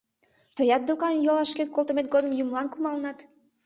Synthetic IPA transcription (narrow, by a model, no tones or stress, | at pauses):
t̪əjɑt̪̚d̪ukɑnjolɑʃket̪̚kolˠt̪əmet̪̚ɡod̪əmjumlˠɑnkumɑlnɑt̪